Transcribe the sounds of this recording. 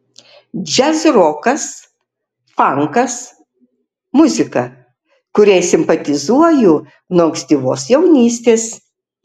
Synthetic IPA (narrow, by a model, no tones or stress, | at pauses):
d͡ʒʲɛzɾoːkɐs | fɐŋkɐs | mʊzʲɪkɐ | kʊɾʲeɪsʲɪmpɐt̪ʲɪzuɔjʊ | noɐŋksʲt̪ʲiːʋoːsjɛʊnʲiːsʲt̪ʲeːs